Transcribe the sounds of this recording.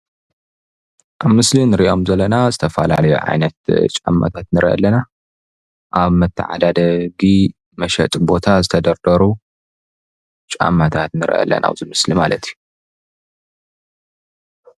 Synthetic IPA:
ʔaβmɨslinɨɾiʔo̞mzɐlːɐnazɨt̪ʰɐfɐla̰lɐjṵʕa̰jnɐt̪t͡ʃʼa̰mːa̰t̪ʰat̪nɨɾʔiʔɐ̰lːɐna | ʔaβmɐt̪ʰːɐ̰ʕa̰d̪ad̪ɐɡi | mɐʃɐt̪ʼbo̞t̪ʰazɨt̪ʰɐd̪ɐɾd̪ɐɾu | t͡ʃʼa̰mːat̪ʰat̪nɨɾʔɐ̰lːɐ̰nʔa̰βzɨmɨslimalɐt̪ʰiju

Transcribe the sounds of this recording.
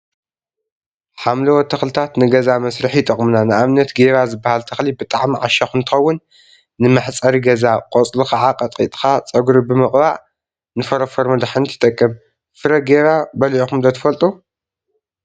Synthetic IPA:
ħamlɐwɔt̪ʰːɐxlɨt̪ʰat̪nɨɡɐzamɐsɾɨħit̪ʼɐχʼmɨnanɨʔaβnɐt̪ɡeɾazɨbːahalt̪ʰɐxlibɨt̪ʼaʕmiʕaʃɐxɨnt̪ʰɨxɐwːʊnː | ɨmɨħt͡sʼɐɾiɡɐzaqʼot͡sʼluxaʕaqʼɐt̪ʼḭt̪ʼxat͡sʼɐɡuɾibɨmɨχʼbaʕ | nɨfɐɾɐfɐɾmɐd̪aħɨnt̪ʰɨ̥t̪ʼɐkʼːɨm | fɨɾɐɡeɾabɐlʕoxumd̪ɐt̪ʰɨ̥fɐlt̪ʼu

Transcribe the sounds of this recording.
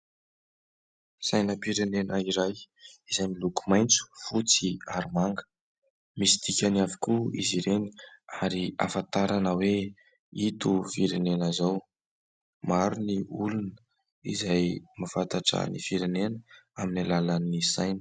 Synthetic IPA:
sajnəpiɾenenʔəiɾajizajmiluku̥majnt͡su̥fut͡siaɾimaŋɡə̥ | misi̥d̪ikʲaniavikuḭziɾeni̥aɾia̰fant̪aɾanəwe | it̪ufiɾenenazaw | maɾuniulunə | izajmafant̪aʈ͡ʂə̰nḭfiɾenenəaminilalanisajnə̥

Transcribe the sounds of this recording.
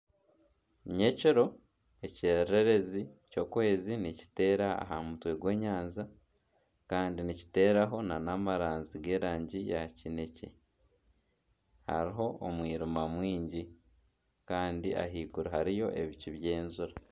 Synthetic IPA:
ɲe̞ciɾo̞ | e̞ciɾe̞ɾe̞zico̞ːkue̞ːzinici̥te̞ːɾaa̰ɦamutwe̞ɡwe̞ːɲaːnza | kaːndinici̥te̞ːɾaɦo̞nanamaɾaːnziɡe̞ːɾaːɲɟijacine̞ce̞̰ | ha̰ɾiɦo̞omwiːɾumamwiːɲɟi | kaːndiʔa̰ɦiːkuɾaɦaɾijo̞ʔe̞βiciβje̞ːnzuɾa

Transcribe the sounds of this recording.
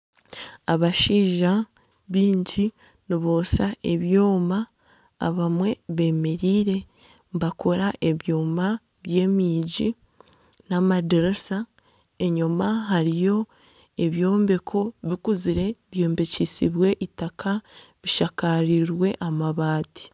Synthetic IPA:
aβaʃiːʒa | βiːɲɟi | niβo̞ːsaeβjoːma̰ː | βamwe̞βe̞ːme̞ɾiːɾe̞ | mbako̞ɾaʔe̞βjoːma | βje̞ːmiːɟi | namadeɾesa | e̞ɲumaɦaɾijo̞ | e̞βjo̞ːmbe̞kʰo̞βikuziɾe̞βjo̞ːmbecisiβwe̞ʔitakʰa | βiʃakaɾiɾwe̞ʔamaβaːti̥

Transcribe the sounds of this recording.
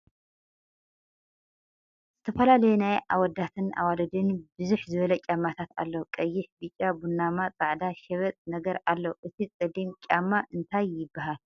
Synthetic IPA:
z̥ɨt̪ʰɐfɐlalɐjunajʔawɔd̪ːat̪ʰɨnʔa̰walɐd̪ɨnbɨzuħzɨβɐlɐt͡ʃʲʼamːat̪ʰat̪a̰lːokʼɐjːɪħbɨt͡ʃʼːabunːamat͡sʼaʕd̪aʃɛβɐt͡s̪ʼnɐɡɐɾalːɐʔɨt̪ʰit͡sʼɨd̪imt͡ʃʲʼamːaʔɨnt̪ʰajːɪbːaɦal

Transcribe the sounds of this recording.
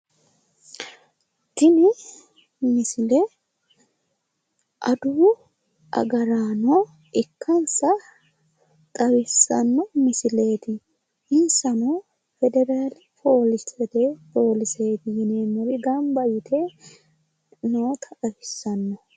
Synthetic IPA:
t̪ɪnɪ | mɪsɪlɛ | ʔɐ̰d̪uː | ʔɐ̰ɡɐɾaːnɔ | ʔɪkʰːɐnsɐ | t̪ʼɐwɪsːɐ̰nːɔmɪsɪle̞ːt̪ɪ | ɪnsɐno | fɛd̪ɛɾaːlɪpʰo̞ːlɪsɛd̪epo̞ːlɪse̞ːt̪ɪjɪneːnɔɾɪɡɐmbɐjɪt̪ʰe | noːt̪ʰɐɐɾɪsːɐnːɔ

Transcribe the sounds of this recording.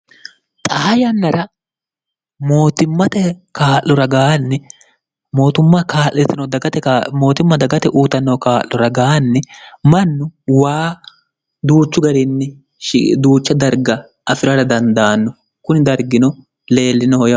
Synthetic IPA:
t̪ʼajɐnːɐɾɐ | mo̞ːt̪ɪmːɐt̪ɛkaːʔːɔɾɐɡaːnːɪ | mo̞ːt̪ʊmːɐkaːʔɛt̪ːɪnɔd̪ɐɡɐt̪ɛmo̞ːt̪ɪmːɐd̪ɐɡɐt̪ɛʔuːt̪ɐnːɔkaːlːɔɾɐɡaːnːɛmɐnːʊwaː | d̪uːt͡ʃːʊɡɐɾɪnːɪ | d̪uːt͡ʃːɐd̪ɐɾɡɐ | ɐfɪɾɐɾɐd̪ɐnd̪aːnːɔ | kʊnɪd̪ɐɾɡɪnɔ | le̞ːlːɪnɔhɔj

